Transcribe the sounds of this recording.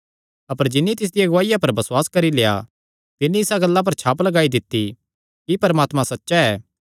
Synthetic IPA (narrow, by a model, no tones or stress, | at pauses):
ɐpəɾd͡ʒɪnːit̪ɪs̬d̪ɪijaɡʊʋaːɪjapɐɾbɐswaːskɐɾileːja̰ | t̪ɪnːĩɪsaɡɐlːãp̬ɐɾt͡ʃʰaːplɐɡaːid̪ɪt̪ːi | kipɐɾmaːt̪mãsɐtːʃaɛː